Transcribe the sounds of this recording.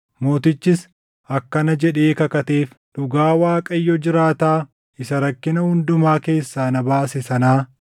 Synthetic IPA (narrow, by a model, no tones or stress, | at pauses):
mo̞ːt̪ɪt͡ʃːɪs | ɐkːɐnɐd͡ʒɛᶑe̞ːkɐkɐt̪e̞ːf | ᶑʊɡaːwaːkʼɐjːɔd͡ʒɪɾaːt̪aː | ɪsɐɾɐkːɪnɐhʊnd̪ʊmaːke̞ːsːaːnɐbaːsɪsɐnaː